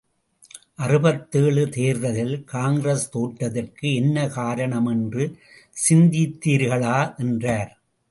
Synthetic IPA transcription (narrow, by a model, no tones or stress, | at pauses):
ʔɐrɯbɐt̪ːeːɭɯt̪eːɾðɐðɪlkaːŋɡɾɐst̪oːʈːɐðɪrkɯɛnːɐkaːɾɐɳɐmɛndrɯ | sɪnd̪it̪ːiːɾɣɐɭaːʔɛndraːɾ